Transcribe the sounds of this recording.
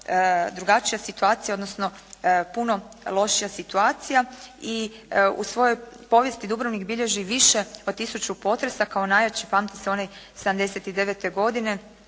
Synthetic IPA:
d̪ɾuɡat͡ʃijasit̪uaːt̪sijao̞d̪nosno̞ | puno̞ | lˠo̞ʃijasit̪uaːt̪sijaiṵsʋo̞jo̞jpo̞ʋje̞st̪id̪ubɾoʋnikbiʎe̞ʒiʋiʃe̞od̪̚t̪isut͡ʃupo̞t̪ɾesakao̞naːjat͡ɕipaːmt̪i̥seo̞nesed̪amd̪e̞set̪id̪e̞ʋet̪e̞ɡo̞d̪ine̞

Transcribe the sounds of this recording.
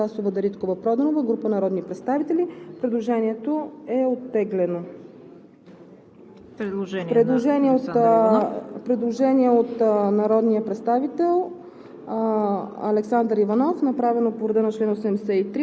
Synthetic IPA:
asovəd̪ɐɾit̪kovəpɾɔd̪onovəɡɾupənɐɾɔd̪nipɾɛt̪st̪avit̪ɛlʲipɾɛd̪lˠoʒɛniɛt̪oɛot̪ːɛɡlɛno | pɾɛd̪lˠoʒɛniɛot̪ | pɾɛd̪lˠoʒɛniɛot̪nɐɾɔd̪nijəpɾɛt̪st̪avit̪ɛlˠ | ɐlɛksand̪ɾivɐnɔfnɐpɾavɛnopovɾɛd̪ənɐt͡ʃlɛnosɛmd̪ɛsɛit̪ɾi

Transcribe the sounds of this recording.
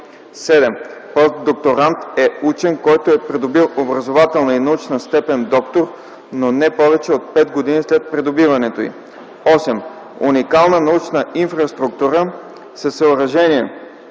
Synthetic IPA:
sɛd̪ɛmpɔst̪̚d̪ok̚t̪oɾant̪ɛut͡ʃɛnkɔjt̪oɛpɾɛd̪obilˠobɾɐzovat̪ɛlˠnəinɐut͡ʃnəst̪ɛpɛnd̪ɔkt̪oɾ | nonɛpɔvɛt͡ʃɛot̪̚pɛt̪ɡod̪inislɛt̪̚pɾɛd̪obivɐnɛt̪oḭ | ɔsɛm | ṵnikalˠnənɐut͡ʃnəʔinfɾɐst̪ɾuk̚t̪uɾə | sɛsəoɾɐʒɛniɛ

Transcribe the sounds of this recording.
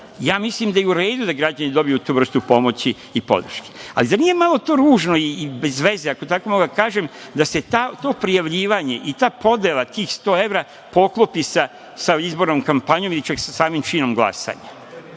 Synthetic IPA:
jaːmislimd̪ajeuɾe̞ːd̪ud̪aɡɾad͡ʑanid̪o̞bijut̪uːʋr̩st̪upo̞mo̞t͡ɕiːpo̞̰d̪r̩ʃke̥a̰lizanije̞malˠo̞t̪o̞ːɾuːʒno̞iːbe̞zʋe̞zeako̞t̪ako̞moɡd̪akaːʒemd̪ase̞t̪aːt̪o̞ːpɾijaʋʎiːʋaɲe̞ʔit̪aːpo̞d̪jelˠat̪iːxst̪o̞ːe̞ʋɾaː | po̞klˠopisa | saizbo̞ɾnoːmkampaɲomilit͡ʃaksasaːmimt͡ʃino̞mɡlˠa̰sa̰ːɲa

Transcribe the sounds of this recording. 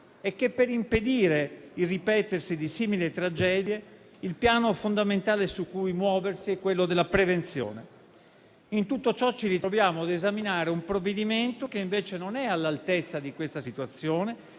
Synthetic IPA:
ekːepːeɾimped̪iːɾeirːipɛːt̪ersid̪isiːmilit̪ɾad͡ʒɛːd̪je | ilpjaːnofond̪ament̪aːlesukːujmwɔːversiɛkːwelːod̪elːapɾevent̪sjo̰ːne | int̪ut̪ːot͡ʃɔt͡ʃːiɾit̪ɾovjaːmoad̪ezaminaːɾeumpɾovːed̪iment̪okeiɱveːt͡ʃenonɛalːalt̪et̪sːad̪ikwest̪asit̪uat̪sːjoːne

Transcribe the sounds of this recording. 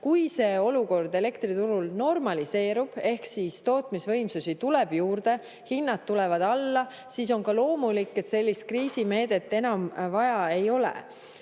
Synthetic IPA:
kujse̞ːo̞luko̞rd̪e̞le̞kt̪rit̪uɾulno̞rmɑlise̞ːɾub̥e̞hksist̪o̞ːt̪misvɤjmsusit̪ule̞b̥juːrd̪̥e̞ | hinːɑt̪ːulɛvɑd̪̥ɑlːɑ | sis̬o̞ŋkɑlo̞ːmulikːe̞t̪se̞lʲːist̪̚kriːsime̞ːd̪̥e̞t̪ːe̞nɑmvɑjɑe̞jo̞lḛ

